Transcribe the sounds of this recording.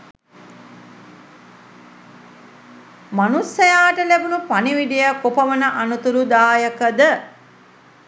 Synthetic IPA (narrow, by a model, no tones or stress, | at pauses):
manusɐjaːʈəlæbunupaniʋid̪ijakopɐʋənəʔanut̪uɾud̪aːjəkəd̪ə